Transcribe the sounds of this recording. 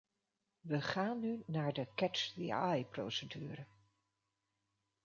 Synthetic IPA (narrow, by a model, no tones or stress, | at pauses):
ʋəχaːnːynaːɹdəkɛt͡ʃdḭajpro̰wsədyːrə